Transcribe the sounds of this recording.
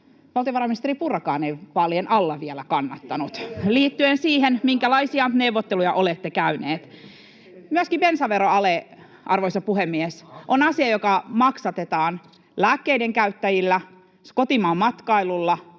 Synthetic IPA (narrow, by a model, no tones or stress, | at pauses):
ʋɑlt̪ioʋɑɾɑminist̪eɾipurkɑ̰ːneipɑlːjenʔɑlːɑʋielækɑnːɑt̪ːɑnut̪liːt̪ːyensiːɦenmiŋkælɑisiɑneuwʋːot̪ːelujɑʔolet̪ːekæyneːt̪ | myøskibensɑʋeɾoɑle | ʔɑrʋoisɑpuhemːiesʔonɑsiɑjokɑmɑksɑt̪et̪ɑːn | læːkːeideŋkæyt̪ːæjilːæ | skot̪imɑːmmɑt̪kɑilulːɑ